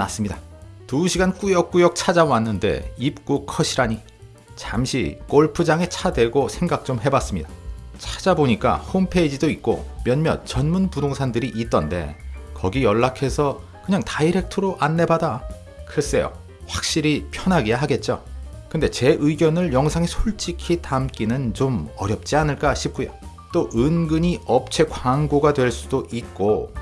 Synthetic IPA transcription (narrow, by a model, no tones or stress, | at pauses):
nas͈ɯmɲidatuɕʰiɡank͈ujʌk̚k͈ujʌk̚t͡ɕʰad͡ʑawanːɯnde̞̰ip̚k͈ukʰʌɕʰiɾaɲi | t͡ɕamɕʰḭk͈oɭpʰɯd͡ʑaŋe̞t͡ɕʰadwe̞ɡosʰe̞ŋɡak̚t͡ɕ͈omɦe̞bas͈ɯmɲidat͡ɕʰad͡ʑaboɲik͈a̰hompʰe̞d͡ʑidoit̚k͈o̰mjʌnmjʌ̰nt͡ɕʌnmunpudoŋsʰandɯɾiʔit̚t͈ʌnde̞̰kʌɡijʌɭːakʰe̞sʰʌ | kɯɲaŋtaiɾe̞k̚tʰɯɾoʔanːe̞bada | kɯɾʌs͈e̞̰jo̰ | ɸwak̚ɕ͈iɾipʰjʌnɦaɡijaɦaɡe̞t̚t͡ɕ͈o̰kɯnde̞t͡ɕe̞ʔɯiɡjʌnɯɭjʌŋsʰaŋesʰoɭt͡ɕ͈ikʰitamk͈inɯnt͡ɕomʌɾjʌp̚t͡ɕ͈ianɯɭk͈aɕʰip̚k͈ujo̰ | t͈oʔɯnɡɯɲiʌp̚t͡ɕʰe̞kwaŋɡoɡadwe̞ɭs͈udoʔit̚k͈o